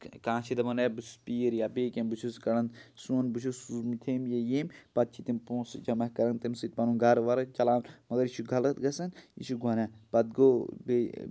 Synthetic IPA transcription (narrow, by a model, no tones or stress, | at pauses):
kãːt͡ʃʰid̪ɐmɐnebɨspiːɾjabeːkʲembut͡ʃʰuskɐɽɐnsuːnbut͡ʃʰusuzmut̪ʰeːmjejeːmpɐt̪̚t͡ʃʰit̪impõːsd͡ʒɐmɐɦkɐɾɐnt̪imsit̪̚pɐnuːnɡʱɐɾʋɐɾɐt͡ʃɐlaːnmɐɡɐɾiʃʰuɡʱɐlɐt̪ɡɐsɐnḭʃuɡɐnɐpɐd̪̚ɡoːbe